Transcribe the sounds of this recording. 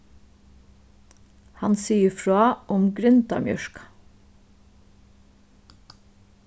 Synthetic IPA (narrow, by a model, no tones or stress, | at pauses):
hɑnsiːəfɹɑːʔʊmɡɾʏnt̪ɑ̰mjœ̰ʃkɑ̥